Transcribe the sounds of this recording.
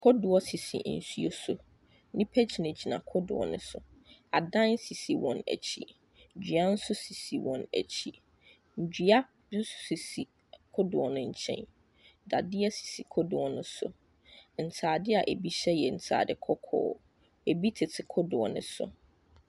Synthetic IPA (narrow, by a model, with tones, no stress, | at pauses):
kʰɔ˦dʊ˨ɔ˦si˨sḭ˨˦n̩˨su˦o˦sʊ˦ | nɪ̃˦pʰɛ˦t͡ɕʰi˨ne˨d͡ʑi˨nã̰˨kʰɔ˦dʊ̰˨ɔ̰˨nʊ̰̃˦sʊ̰˨a˨dã˦nsi˨si˨wɔ̃˨næ̰˨t͡ɕʰi˦ | ɲ̩˨d͡ʑᶣy˨a˦n̩˦sʊ˦si˨si˨wɔ̃˨næ̰˨t͡ɕʰi˦ | ɲ̩˨d͡ʑᶣɥa˦ | n̩˦sʊ̥˦si˨si˨ | kʰɔ˦dʊ˨ɔ˨nʊ̃˦ɲ̩˦˨t͡ɕʰɛ̰̃˦n | da˨dɪ˦ɛ˦si̥˨si˨kʰɔ˦dʊ˨ɔ˨nʊ̃˦sʊ̰˨ | n̩˨tʰaː˨dɪ˦a˨ʔe˨bi˦ɕɛ˦jɛ˨n̩˨tʰa̰ː˨dɪ˦kʰɔ˦kʰɔ̰ː˦ | e˨bi˦tʰɪ˨tʰɪ˨kʰɔ˦dʊ˨ɔ˨nʊ̃˦sʊ̰˨